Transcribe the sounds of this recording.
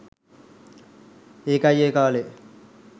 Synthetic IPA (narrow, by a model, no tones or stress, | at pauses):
eːkajːeːkaːle